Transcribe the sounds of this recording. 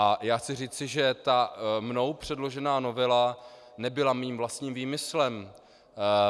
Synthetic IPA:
ajaːxt͡sɪr̝iːt͡sɪʒɛt̪amno̞wpr̝̥ɛdlo̞ʒɛnaːno̞vɛla | nɛbɪlamiːmvlast̪ɲiːmviːmɪslɛm

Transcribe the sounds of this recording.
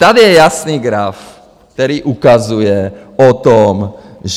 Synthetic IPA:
t̪ad̪jɛjasniːɡɾaf | kt̪ɛɾiːʔukazujɛɔt̪omʒ

